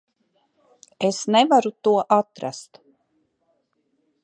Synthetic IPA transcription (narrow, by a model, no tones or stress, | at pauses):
esnɛvaɾut̪uɔʔat̪ɾa̰st̪